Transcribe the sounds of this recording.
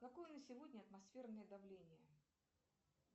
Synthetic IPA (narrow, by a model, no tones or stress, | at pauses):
kɐkojənəsʲɪvodʲnʲəɐt̪mɐsfʲe̞rnəjəd̪ɐvlʲenʲɪjə